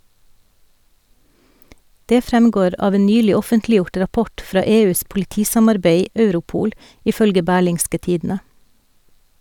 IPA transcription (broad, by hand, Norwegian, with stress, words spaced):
ˈdeː ˈfɾɛmɡoːɾ ˈɑːʋ ˈeː ˈnyːlɪ ˈɔfəntlɪˌjʊʈ ɾɑˈpɔʈ ˈfɾɑː ˈeːˌʉːs pʊlɪˈtiːsɑmɑɾˌbeɪ ˈœʉɾʊˌpuːl ɪˈfœlɡə ˈbæːɭɪŋskə ˈtiːdn̩ə